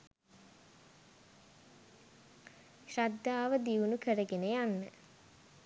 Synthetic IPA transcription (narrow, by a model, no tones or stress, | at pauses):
ʃad̪ːaːʋəd̪iʋunukəɾəɡenəjanːə̰